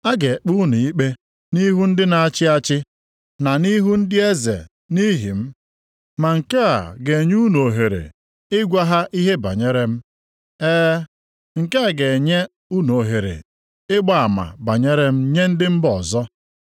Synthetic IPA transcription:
a˦ɡe˨k͡pu˦nu˨i˦k͡pe˦ | ni˦ɦu˦n̩˦dɪ˦na˨a˦t͡ʃɪ˦a˦t͡ʃɪ˦ | na˨ni˦ɦu˦n̩˦dɪ˦e˦zḛ˨ | ni˦ɦi˨m̩˦ | ma˨ŋ̩˨ka˦a̰˨ɡe˨ɲ˦u˦no˨ɦe˨ɾḛ˨ | ɪ˦ɡʷa˦ɦa˦ʔi˦ɦe˦ba̰˨ɲe˦ɾe˦m̩˦ | eː˦ | ŋ̩˨ka˦a˨ɡe˨ɲe˦ | u˦no˨ɦe˨ɾḛ˨ | ɪ˦ɡ͡ba˨a˨ma̰˨ba˨ɲe˦ɾe˦m̩˦ɲe˦n̩˦dɪ˦m̩˦bɔ˨zɔ˦

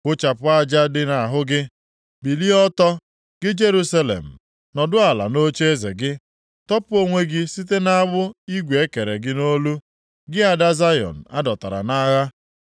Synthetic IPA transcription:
kʊ˦t͡ʃa˨pʊ˦a˦d͡ʒa˦dɪ˦na˨ɦʊ˦ɡɪ˦ | bi˨li˦ɔ˦tɔ˦ | ɡ̥ɪ˦d͡ʒe˦ɾu˦sa˦lḛ˨m̩˨ | nɔ˨dʊ˦a˨la̰˨no˦t͡ʃe˦e˦zḛ˨ɡɪ˦ | tɔ˦pʊ˦o˦ŋʷe˦ɡɪ˦si˦t̬e˦na˦ɡ͡bʊ˦i˦ɡʷe˨e˦ke˨ɾe˨ɡɪ˦no˦lu˦ | ɡɪ˦a˨da˦za˦jɔ̰˨n̩˨a˦dɔ˨ta˨ɾa̰˨na˦ɣa˦

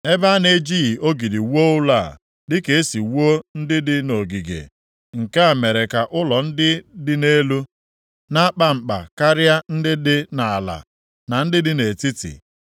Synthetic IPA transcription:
e˦ba˦ne˦d͡ʒiː˦˨o˦ɡi˨di˨wu˦o˦ʊ˦la˦˨ | dɪ˦ke˨e˦si˨wu˦o˦n̩˦dɪ˦dɪ˦no˨ɡi˨ɡḛ˨ | ŋ̩˨ka˦a˨me˨ɾe˨ka˨ʔʊ˦lɔ˨n̩˦dɪ˦dɪ˦ne˦lu˦ | na˦k͡pa˦ŋ͡m̩˨k͡pa̰˨ka˦ɾja˦n̩˦dɪ˦dɪ˦na˨la̰˨ | na˨n̩˦dɪ˦dɪ˦ne˨ti˦tḭ˨

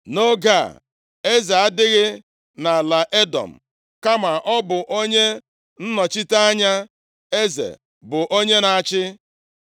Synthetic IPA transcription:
no˦ɡa̰˦˨ | e˦ze˨a˦dɪ˦ɣɪ˦ | na˨la˨ʔe˦dɔ̰˨m̩˨ | ka˦ma˨ʔɔ˦bʊ˨ʔo˦ɲe˦ | n̩˦nɔ˨t͡ʃi˦ta˦a˦ɲa˦ | e˦zḛ˨ | bʊ˨ʔo˦ɲe˦na˨t͡ʃɪ˦

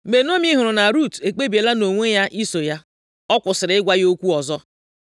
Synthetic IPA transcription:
me˨nu˦o˦mi˦ɦʊ˨ɾʊ˨na˨ɾu˦˨te˨k͡pe˦bi˨e˨la˦no˨ŋʷe˦ja˦ʔi˦so˨ja˦ | ɔ˦kʷʊ˨sɪ˨ɾɪ˨˦ɪ˦ɡʷa˦jo˦kʷu˦ɔ˨zɔ˦

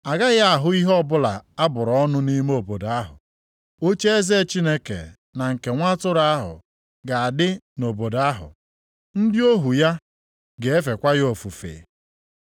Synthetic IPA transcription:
a˨ɡa˦ɣa˦a˨ɦʊ˦i˦ɦɔ˦bʊ˦la˨a˦bʊ˨ɾɔ˦nʊ˦ni˦me˦o˨bo˨da˦ɦʊ̰˨ | o˦t͡ʃe˦e˦ze˦˨t͡ʃi˦ne˦kḛ˨ | na˨ŋ̩˨ke˨ŋʷa˦tʊ˦ɾa˦a˦ɦʊ̰˨ | ɡa˨a˨dɪ˦no˨bo˨da˦ɦʊ̰˨ | n̩˦dɪ˦o˦ɦu˨ja˦ | ɡe˨e˦fe˨kʷa˦ɣo˨fu˨fḛ˨

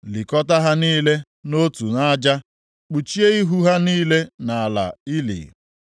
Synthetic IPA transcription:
li˨kɔ˦ta˦ɦa˦niː˦le˦ | no˦tu˨na˦d͡ʒa˦ | k͡pu˨t͡ʃi˦e˦i˦ɦu˦ɦa˦niː˦le˦na˨a˨la̰˨i˦lḭ˨

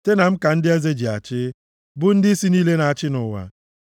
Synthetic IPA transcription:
te˦na˨m̩˦ka˨n̩˦dɪ˦e˦ze˦d͡ʒi˨a˨t͡ʃɪ˦ | bʊ˦n̩˦dɪ˦i˦si˦niː˦le˦na˨a˨t͡ʃɪ˦nʊ˨wa̰˨

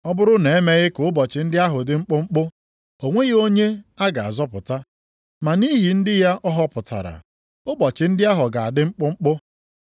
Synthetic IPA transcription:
ɔ˦bʊ˦ɾʊ˦ne˨e˦me˦ɣɪ˦kʊ˨ʊ˦bɔ˨t͡ʃɪ˨n̩˦dɪ˦a˦ɦʊ˨dɪ˦ŋ͡m̩˦k͡pʊ˦ŋ͡m̩˦k͡pʊ˦ | o˨ŋʷe˦ɣo˦ɲe˦a˦ɡa˨a̰˨zɔ˦pʊ̰˨ta˦ | ma˨ni˦ɦi˨n̩˦dɪ˦ja˦ʔɔ˦ɦɔ˦pʊ˨ta̰˨ɾa̰˨ | ʊ˦bɔ˨t͡ʃɪ˨n̩˦dɪ˦a˦ɦʊ˨ɡa˨a˨dɪ˦ŋ͡m̩˦k͡pʊ˦ŋ͡m̩˦k͡pʊ˦

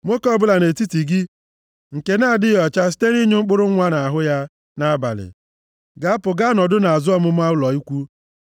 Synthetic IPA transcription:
m˦o˦kɔ˦bʊ˦la˨ne˨ti˦ti˨ɡɪ˦ | ŋ̩˨ke˨na˦a˨dɪ˦jɔ˨t͡ʃa˦s̬i̥˦te˦ɾi˦ɲe˦ŋ͡m̩˦k͡pʊ˦ɾʊ˦a˦na˨a˨ɦʊ˦ja˦ | na˦a˦ba̰˨lɪ̰˨ | ɡa˨a˦pʊ˨ɡa˦nɔ˨dʊ˦na˨a˨zʊ˦ɔ˦mʊ˦m˦a˦ʊ˦lɔ˨i˦kʷu˦

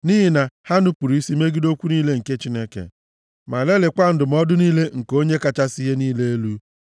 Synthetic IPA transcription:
ni˦ɦi˨na˨ha˦nʊ˦pu˨ɾi˦si˦me˦ɡi˦do˦kʷu˦niː˦le˦ŋ̩˨ke˦t͡ʃi˦ne˦kḛ˨ | ma˨le˦lɪ˨kʷa˦n̩˦dʊ˨m̩˦ɔ˦dʊ˦niː˦le˦ŋ̩˨ko˦ɲe˦ka˨t͡ʃa˦si˦ɦe˦niː˦le˦e˦lu˦

